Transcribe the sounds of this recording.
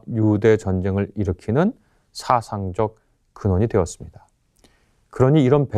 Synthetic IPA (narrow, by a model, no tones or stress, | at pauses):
jude̞t͡ɕʌnd͡ʑe̞ŋɯɾiɾɯkʰinɯn | sʰasʰaŋd͡ʑʌk̚ | kɯnwʌɲidwe̞ʌs͈ɯmɲid̥a | kɯɾʌɲiːɾʌnpe